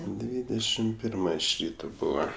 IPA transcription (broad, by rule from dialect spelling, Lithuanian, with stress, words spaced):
ˈdʲʋʲiːdʲɛʃʲɪm ˈpʲɪrmɐ ɪʃ ˈrʲiːtoː ˈbuːʋɐ